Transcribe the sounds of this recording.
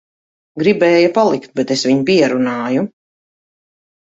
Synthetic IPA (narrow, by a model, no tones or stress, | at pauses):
ɡɾibɛːjapalˠikt̪̚bɛt̪esviɲpiɛɾunaːju